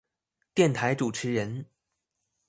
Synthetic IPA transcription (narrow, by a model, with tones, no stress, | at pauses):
t̪jɛ˥˩nt̪ʰa˧˥ɪʈ͡ʂu˨˩ʈ͡ʂʰɻ̩˧˥ɻə˧˦˥n